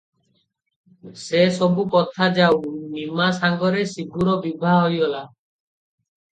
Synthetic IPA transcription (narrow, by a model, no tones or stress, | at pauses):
sesɔbukɔt̪ʰad͡ʒawmimasaŋɡɔɾesiɡʱuɾɔbibʱaɦojɔla